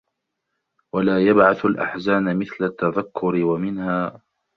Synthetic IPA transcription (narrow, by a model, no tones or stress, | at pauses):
walaːjabʕaθalʔa̰ħzaːnamɪθlat̪ːaðakʰːʊɾɪwamɪnhaː